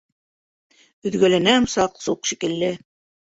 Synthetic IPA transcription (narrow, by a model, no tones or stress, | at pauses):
ɵ̆ðɡælænæmsɑqsuqʃikɘ̆lːɘ